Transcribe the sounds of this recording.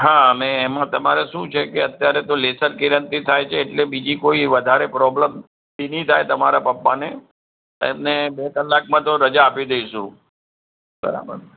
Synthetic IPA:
ɦaəmẽːmãt̪əma̰ɾeʃũt͡ʃʰekeət̪jaɾet̪olesəɾkiɾənt̪it̪ʰajt͡ʃʰeːʈlebid͡ʒikoiʋəd̪ʱaɾepɾɔbləm | dinit̪ʰajt̪əmaɾapəpːane | ḛmnebek̪əlːak̚mãt̪oɾəd͡ʒaːpid̪eiʃũ | bə̰ɾa̰bə̰ɾ

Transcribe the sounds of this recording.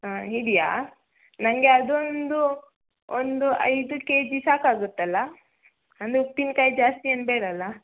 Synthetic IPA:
aiɽija̰ː | nɐŋɡe̞ɐd̪ond̪u | ond̪uɐ̰jd̪uke̞ːd͡ʒisaːkaːɡut̪ːɐlːɐ | ɐnd̪up̪inkaːjid͡ʒaːst̪iɐnbeːɽɐlːɐ

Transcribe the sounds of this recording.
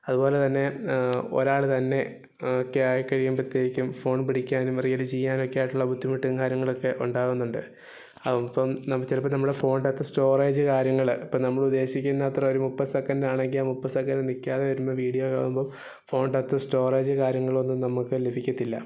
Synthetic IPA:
ɐðubo̞ːle̞t̪ɐnːe̞o̰ɾaːɭɨt̪ɐnːe̞ | okːeaːjkːɐɻijumprɐt̪jeːɡikʲːumfo̞ːɳpiɽikʲːaːnumɐrijɐlɨt͡ɕijːaːno̞kːejaːjʈːuɭːɐbud̪ːimiʈːiŋkaːɾjɐŋːɐɭo̞kːe̞ʔuɳɖaːɣunːuɳɖɨ̰ | ɐpːɐmnɐt͡ɕilɐpːɐnɐmːuɽefo̞ːɳɖɐt̪ːɨsʈo̞ːreːd͡ʑɨkaːɾjɐŋːɐɭipːɐːnɐmːɐɭud̪ːe̞ːɕikʲːunːɐt̪rɐo̞ɾumupːɐsɐkːɐndaːɳe̞ŋɡilaːmupːɐsɐkːɐndenikʲːaːðeʋɐɾumːɐʋiːɽijoka̰ːɭumbo | fo̞ːɳɖɐt̪ːɨsʈo̞ːreːd͡ʑɨkaːɾjɐŋːɐɭo̞nːumnɐmukːɨlebʱikʲːɐt̪ːilːɐ̰

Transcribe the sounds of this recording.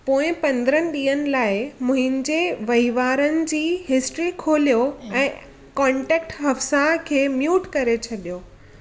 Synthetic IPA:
poːɪ̃pɐ̃nd̪əɾənɪ̆ɗiːənɪ̆laːɪmʊ̃ɦɪ̃nd͡ʑeʋɐɦiʋaːɾənɪ̆d͡ʑiːɦɪsʈɾikʰoːlijoɛ̃ː | kãːɳʈɛːk̚ʈɦɐfsakʰeːmjuːʈkɐɾet͡ɕʰɐɗijoː

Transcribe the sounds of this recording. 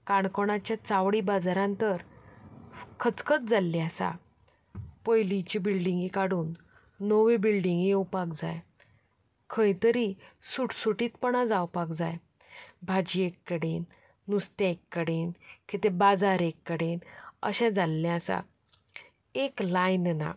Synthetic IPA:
kaɳkoɽat͡ɕjat͡saʋɽibad͡zaɾãnt̪əɾ | kʰət͡skət̪̚d͡zalːiasa̰ | pəjlit͡ɕibilɖĩŋɡikaɽuːnː | oʋebilɖĩŋɡijewpakd͡za̰j | kʰəjt̪əɾisuʈsuʈiːt̪pəɳad͡zawpakd͡zaj | bʱad͡ʑiekːəɽenː | ust̪ẽekːəɽenkit̪ebad͡zaɾekːəɽenə̰ɕɛ̃d͡zalːɛ̃asa̰ | eklajnna̰

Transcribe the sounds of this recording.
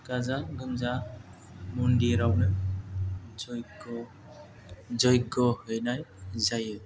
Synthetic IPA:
kazaɡɯmza | mundiɾawnɯ | zɔjɡɔ | zɔjɡɔhɯjnajzajɯ

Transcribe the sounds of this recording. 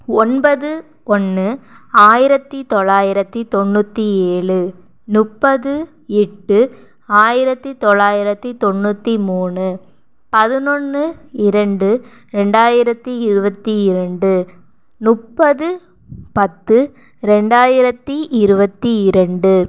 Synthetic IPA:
ɔnbɐðɯ | ɔnːɯaːjɪɾɐt̪ːit̪ɔɭːaːjɪɾɐt̪ːit̪ɔnːut̪ːieːɭɯ | nʊpːɐðɯ | ɛʈːɯ | aːjɪɾɐt̪ːit̪ɔɭːaːjɪɾɐt̪ːit̪ɔnːut̪ːimuːnɯ | pɐðɯnɔnːɯɪɾɐɳɖɯ | ɾɛɳɖaːjɪɾɐt̪ːiɪɾɯbɐt̪ːiɪɾɐɳɖɯ | nʊpːɐðɯ | pɐt̪ːɯ | ɾɛɳɖaːjɪɾɐt̪ːiʔɪɾɯbɐt̪ːiɪɾɐɳɖɯ

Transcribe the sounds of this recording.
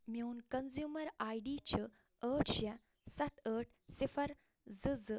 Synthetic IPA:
mʲoːnkɐnzjuːmɐɾaːjɖiːt͡ɕə | əːʈʰɕjɐ | sɐt̪ʰəːʈ̚ʰ | sifʰɐɾ | zɨzɨ

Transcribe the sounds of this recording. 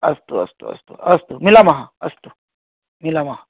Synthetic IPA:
ɐst̪uɐ̰st̪ṵɐ̰st̪ṵɐst̪umilamɐɦãɐst̪u | milamɐɦã

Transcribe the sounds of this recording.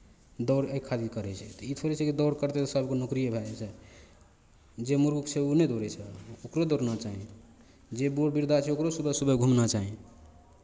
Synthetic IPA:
d̪ɔɾekʰːad̪ikəɾɛt͡ʃʰɛt̪ɔit̪ʰoɾɛt͡ʃʰɛkid̪ɔɾkəɾt̪et̪ɔsəbʱkenokɾijebʱɛɛt͡ʃʰɛ | d͡ʒemuɾɡukt͡ʃʰeunɛd̪oɾɛt͡ʃʰɛokɾod̪oɾnat͡ʃaɦĩ | d͡ʒeboɾbiɾd̪ʱat͡ʃʰɛokɾosubɛsubɛɡʱumnat͡ʃaɦĩ

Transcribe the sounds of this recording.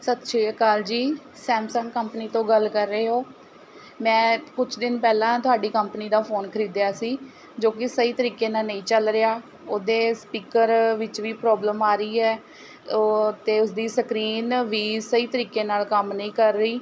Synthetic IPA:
sət̪ʃʰeːkaːld͡ʒiː | sɛːmsə̃ŋkːəmpniːt̪õːɡəlkəɾːəeːɦoː | mɛ̃ːkʊt͡ʃʰd̪ɪnpɛːlãːt̪ʊaːɖiːkəmpniːd̪aːpʰoːnkʰəɾiːd̪jaːsiː | d͡ʒoːkɪsəiːt̪əɾiːkeːnaːlnəĩːt͡ʃəlɾɪaː | oːd̪eːspiːkəɾʋɪt͡ʃʋiːpɾɔːbləmaːɾəiːɛː | t̪eːʊsd̪iːsəkɾiːnʋiːsəiːt̪əɾiːkeːnaːlkəmnəĩːkəɾːəiː

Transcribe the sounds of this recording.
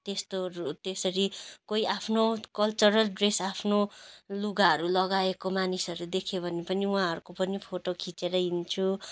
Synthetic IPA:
t̪est̪out̪esʌɾikoiapʰnokʌlt͡suɾʌlɖresapʰnoluɡaɦʌɾulʌɡaekomanisʌɾud̪ekʰebʱʌnepʌniuãɦʌɾukopʌnipʰoʈokʰit͡seɾʌɦint͡sʰu

